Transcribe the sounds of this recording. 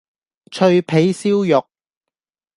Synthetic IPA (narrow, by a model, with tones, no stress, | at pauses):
t͡ʃʰɵ˧ɥpʰe˨˥jsiː˥wjʊ˨k̚